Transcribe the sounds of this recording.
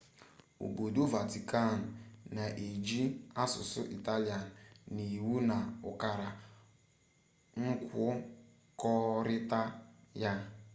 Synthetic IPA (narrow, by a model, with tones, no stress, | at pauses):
ṵ˨bo˨du˦va˨ti˨ka˦˨n̩˨na˨ʔe˨d͡ʒi˦a˦sʊ˨sʊ̰˦ʔi˨ta˦li˦a˨n̩ː˨ni˨wu˦na˨ʊ˨ka˨ɾa˨ | ŋ̩˦kʷʊ˦ | kɔ˦ɾɪ˦ta˦ja˦